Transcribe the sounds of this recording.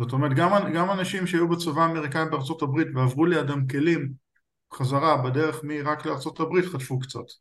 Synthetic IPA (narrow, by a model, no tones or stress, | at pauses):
zot̪o̞meʁet̚ɡamaɡamanaʃimʃeajubet͡sovaːmeʁ̞ikaitbeaʁt͡so̞tabʁitveavʁuleadamke̞lim | χazaʁabedeʁeχmiʁakleaʁt͡so̞tabʁit̪χat̪fukt͡sa̰t